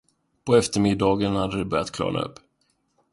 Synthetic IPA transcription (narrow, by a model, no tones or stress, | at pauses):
pɔɛft̪əɾmɪd̪ːɑːɡənhad̪ːəd̪ɵbœɾjat̪kʰlɑ̰ːɳa̰ɵ̰pː